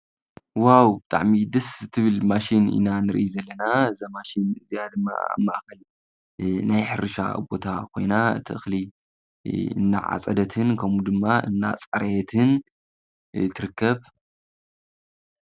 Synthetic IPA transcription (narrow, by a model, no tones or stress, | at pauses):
wawbɨt̪ʼa̰ʕmid̪ɨst̪ʰɨβɨlmaʃinḭnanɨɾɨ̰ʔjizɐlːɐnaɨzamaʃinɨzijad̪ɨmːa̰a̰mːaʔxɐl | najħɨɾɨʃa̰bo̞t̪ʰakʰo̞̰jnaɨ̰t̪ʰiʔɨ̰xli | ɨ̰nːa̰ʕa̰t͡sʼɐd̪ɐt̪ʰɨnkʰɐmud̪ɨmːaʔɨ̰nːa̰t͡sʼɐɾɐjt̪ʰɨn | t̪ʰɨɾɨkːɐβ